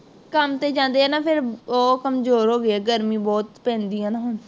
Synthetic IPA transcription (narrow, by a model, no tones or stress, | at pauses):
kəmt̪eːd͡ʒãːnd̪eːɛːnaːpʰɪɾoːkəmzoːɾɦoːɡeɛːɡəɾmĩːbɔːt̪pɛ̃ːnd̪iːãːnãːɦʊn